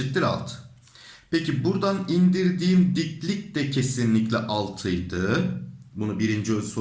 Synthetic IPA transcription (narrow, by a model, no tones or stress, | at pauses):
it̪liɾa̰lˠt̪ | pʰecibuɾd̪anind̪iɾd̪iːmd̪iclʲic̚d̪ɛcʰe̞sinlʲiclʲɛʔalˠt̪ʰɯjd̪ɯːbunubiɾind͡ʒiøzso